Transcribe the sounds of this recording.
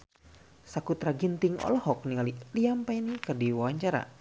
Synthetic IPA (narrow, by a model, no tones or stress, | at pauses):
sakut̪ɾaɡint̪iŋɔ̰lɔhɔk̚niŋaliliampainikərdiwawaɲt͡ʃaɾa̰